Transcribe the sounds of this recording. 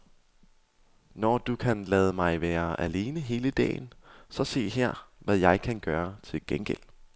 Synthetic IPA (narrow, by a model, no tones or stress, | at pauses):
nɒd̥ukʰænlɛːð̞ˠəmɑ̈ɪʋæːɐæle̝ːnəɦe̝ːləd̥ɛ̰ːɪnsɒ̽se̝̰ːɦæɐ̰ʋæjɑ̈ɪkʰænɡ̥ɶːɐt͡sʰe̝lɡ̥enɡ̥el̰